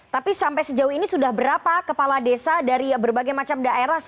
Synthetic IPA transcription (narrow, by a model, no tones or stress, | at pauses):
t̪apisampajsəd͡ʒauinisudahbəɾapakəpaladesadaɾibərbaɡajmat͡ʃamdaʔeɾah